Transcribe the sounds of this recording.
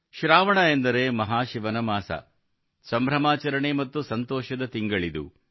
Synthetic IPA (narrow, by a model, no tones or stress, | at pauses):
ʃɾaːʋɐɳɐend̪ɐɾeːmɐɦaːʃiʋɐnɐmaːsɐ̰ | sɐmbʱɾɐmaːt͡ʃɐɾɐɳemɐt̪ːusɐnt̪ɔːʃɐd̪ɐt̪iŋɡɐɭid̪ṵ